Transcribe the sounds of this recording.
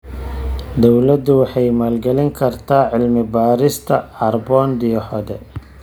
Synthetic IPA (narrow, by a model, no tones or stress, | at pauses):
d̪ɔwlɐd̪ʊwɑħɑjmaːlɡɛlɪŋkʰɐrt̪ʰaːʕɪlmɪbaːɾɪst̪ʰɐɐrbɔːnd̪ɪjɔħɔd̪ɛ